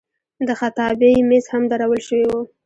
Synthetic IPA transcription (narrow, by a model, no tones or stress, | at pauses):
d̪əxat̪ɑbejmeshamd̪aɾawəlʃəwiwu